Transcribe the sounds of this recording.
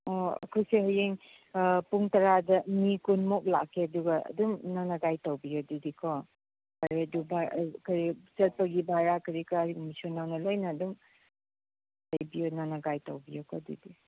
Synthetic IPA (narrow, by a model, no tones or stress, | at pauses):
oɐ̰kʰojseɦajeŋ | puŋtɐɾadɐmikunmok̚la̰kʰːeɐduɡɐɐ̰dumnanɐɡajtawbijodidikʰɔ | kaɾedubakɐɾit͡ʃɐl̚pɐɡibaɾakɐɾikaɾmisonawnɐlojnɐːdum | lɐjbijonanɐɡajtawbijokʰɔdḭdi